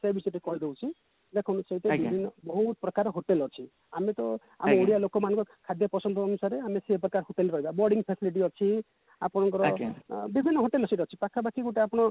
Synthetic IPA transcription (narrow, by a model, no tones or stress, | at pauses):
sebisɔʈekɔɦid̪ewt͡ʃʰi | d̪ekʰɔnuseit̪ebibʱinːɔbɔɦut̪pɾɔkaɾɦoʈelɔt͡ʃʰi | amet̪ɔ | a̰mmeoɽijalokɔmanɔ̃ŋkɔɾkʰad̪jɔpɾɔsɔnd̪ʱɔːnusaɾeamesepɾɔkaɾɦoʈelɾɔɦibabɔɾɖiŋpʰesiliʈ̬iɔt͡ʃʰi | apɔɽ̃ɔŋkɔɾɔbibʱinːɔɦoʈelɔsɔʈɔt͡ʃʰipakʰabakiɡuʈeapɔɽ̃ɔ